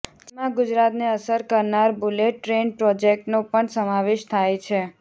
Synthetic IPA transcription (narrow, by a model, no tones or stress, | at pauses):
d͡ʒemãɡʊd͡ʒɾat̪neəsəɾkəɾnaɾbuleʈːɾenpɾɔd͡ʒek̚ʈnopəɳsəmaʋeʃt̪ʰajt͡ʃʰe